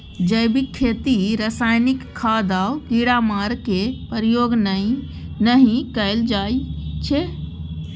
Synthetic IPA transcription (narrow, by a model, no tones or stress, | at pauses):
d͡ʒəjbʱikʰːet̪iɾəsajnikʰːad̪aʊkiɽamaɾkepəɾjoɡn | nəɦĩkəɪld͡ʒat͡ʃʰe